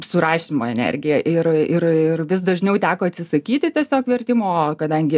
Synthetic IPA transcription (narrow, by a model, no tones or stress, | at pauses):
sʊɾɑːʃʲimoːɛnʲɛ̰rʲɡʲɪjɛʔɪrɪrɪrʋʲɪsd̪ɐʒʲnʲɛʊt̪ʲæːkoːɐt̪ʲsʲɪsɐkʲiːt̪ʲɪt̪ʲiɛsʲoːkʋʲɛrʲt̪ʲɪmoːkɐd̪ɐŋʲɡʲɪ